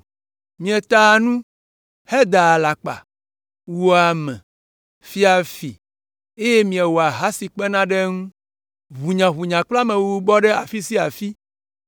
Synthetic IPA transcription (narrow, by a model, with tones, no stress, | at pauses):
mĩ˨ɛ˨t̪a˦˨nũ˦ | hɛ˦d̪a˨la˨k͡pa̰˨ | wo˨˦a˨mɛ̰̃˨ | fi˦a˨fi˨ | e˦je˦mĩ˨ɛ˨wo˨a˨ɦa˦si˨k͡pɛ˦nã˦ɖɛ˦ŋũ˦ | βu˨ɲã˨βu˨ɲã˨k͡pla˦mẽ˨wu˦bɔ˦ɖɛ˦a̰˨fi˦si˦a˨fi˦